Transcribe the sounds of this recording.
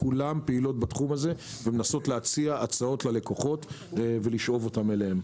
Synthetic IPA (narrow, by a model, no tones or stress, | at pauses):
kulampeilo̞t̚batχumaze̞vemenaso̞tleat͡siaʔat͡sao̞tlale̞koχo̞t | ve̞liʃʔo̞vo̞tamelehem